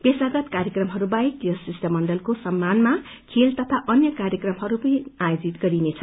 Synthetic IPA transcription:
pesaɡʌt̪kaɾjʌkrʌmɦʌɾubajkjʌsisʈʌmʌnɖʌlkosʌmːanma | kʰelt̪ʌt̪ʰaʔʌnjʌkaɾjʌkrʌmɦʌɾupʌnĩajod͡zit̪̚ɡʌɾinet͡sʰʌ

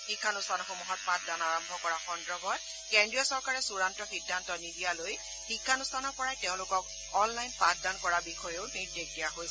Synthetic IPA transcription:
xikʰːanustʰanɔxomuɦɔt̚pat̚danaɹɔmbʱɔkɔɹaxɔndɹɔbɔt̚ | kendɹijɔsɔɹkaɹɛsuɹantɔxidʱːantɔnidijaloj | xikʰːanustʰanɔɹpɔɹajtɛʊ̃lʊkɔk | ɔnlajnpat̚dankɔɹabixʰɔjeʊniɹdek̚dijaɦojsɛ

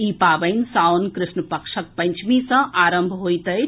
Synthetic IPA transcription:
iːpaːʋəɪnsaːwnkɾɪsnəpəkʂək̚pɐ̃ɲt͡ʃʰmĩsɐ̃ʔaːɾəmbʱɦoːjt̪ə

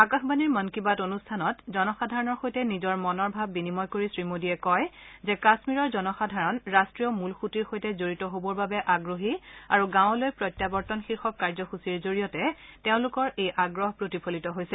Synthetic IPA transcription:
akaxbaniɹmɔnkibatonustʰanɔtzɔnɔxadʱaɹɔnɔɹxojtɛnizɔɹmɔnɔɹbʱabːinimɔjkoɹisɹimodiɛkɔjzɛkasmiɹɔɹzɔnɔxadʱaɹɔnɹastɹijɔmulxutiɹxojtɛzoɹitɔɦobɔɹbabɛʔaɡɹoɦiaɹuɡãw̃lojpɹɔjtːjabɔɹtɔnxiɹxɔkːaɹzɔxusiɹzoɹijɔtɛteʊ̃lʊkɔɹejʔaɡɹɔɦpɹotipʰolitɔɦojsɛ

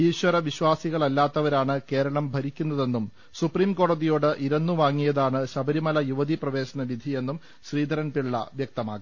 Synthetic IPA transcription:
iːɕwɐɾɐʋiɕwaːsiɣɐɭɐlːaːt̪ːɐʋɐɾaːɳɨke̞ːɾɐɭɐmbʱɐɾikʲːunːɐðe̞nːum | supriːmko̞ːɽɐðijo̞ːɽɨʔiɾɐnːuʋaːŋːijɐðaːɳɨɕɐbʱɐɾimɐlɐjuʋɐd̪iprɐʋe̞ːɕɐnɐʋid̪ʱie̞nːum | ɕriːd̪ʱɐɾɐnpiɭɭːɐ̰ʋjɐk̚t̪ɐma̰ːɡi

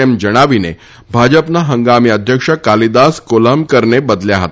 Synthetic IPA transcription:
emd͡ʑəɽ̃aʋinḛ | bʱad͡ʑəpnaɦəŋɡamiːəd̪ʱjəkʂəkalid̪askoləmkəɾɳebəd̪ljaɦət̪a

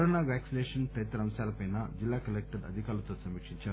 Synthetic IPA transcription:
ɾonaʋæːksineːʂɐnt̪ɐjit̪ɾɐɐ̃m̃salɐpɐjnːad͡ʒilːaːkɐlek̚ʈeɖɐ̰d̪ʱikaːlut̪ɐsɐmikʂint͡ʃa

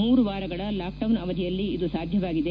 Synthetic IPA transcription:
muːɾuʋaːɾɐɡɐɭɐlaːk̚ɖɐwnɐʋɐd̪ijɐlːiid̪usaːd̪ʱjɐʋaːɡid̪e

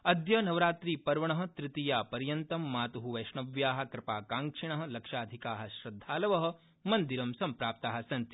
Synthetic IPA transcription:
ɐd̪jɐnɐʋɾaːt̪ɾiːpɐɾʋɐɳɐɦɐ̆t̪ɾɪt̪ijaːpɐɾjɐnt̪ɐmːaːt̪uɦuʋɐʃɳɐʋjaːɦɐ̆kɾɪpaːkaːŋkʂiɳɐɦɐ̆lɐkʂaːd̪ʱikaːɦɐ̆ʃɾɐd̪ʱːaːlɐʋɐɦɐ̆ | mɐnd̪iɾɐmsɐmpɾaːp̚t̪aːɦɐ̆sɐnt̪i

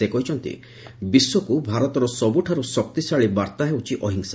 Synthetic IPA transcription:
ekɔɦit͡ʃʰɔnt̪ḭ | biswɔkubʱaɾɔt̪ɔɾɔsɔbuʈʰaɾusɔk̚t̪isaɭibaɾt̪aɦewt͡ʃʰiʔɔɦiŋsa

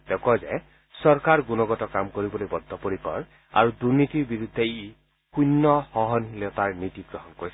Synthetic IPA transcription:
tɛkɔzɛ̰ | sɔɹkaɹɡunɔɡɔtɔkamkoɹibɔlojbɔd̪ʱːɔpoɹikɔ̰ɹ | a̰ɹuduɹnitiɹbiɹud̪ʱːei | xunːɔhɔɦɔnhilɛtaɹnitiɡɹɔɦɔnkoɹis

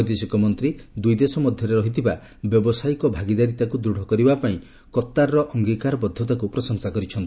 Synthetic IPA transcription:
d̪esɔkɔmɔnt̪ɾid̪ujd̪esɔmɔd̪ʱjɔɾeɾɔɦit̪ʰiba | bjɔbɔsajkɔbʱaɡid̪aɾit̪akud̪ɾuɽ̤ʱɔkɔɾibapaĩ | kɔt̪ːaɾːɔʔɔŋɡikaɾɔbɔd̪ʱːɔt̪akupɾɔsɔŋsakɔɾit͡ʃʰɔnt̪i

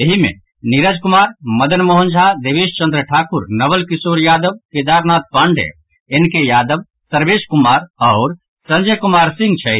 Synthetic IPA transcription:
eɦimḛ̃ | niɾəd͡ʒkumaɾməd̪ənməɦə̃nd͡ʒʱad̪eʋeʃt͡ʃə̃nd̪ɾəʈʰaːkuɾnəbəlkisoːɾjaːd̪əb̚ked̪aːɾnaːt̪̚paɳɖḛ | enkejaːd̪əb | səɾbeʃkumaːɾɔːɾ | sə̃nd͡ʒəkumaɾsĩŋɡt͡ʃʰə

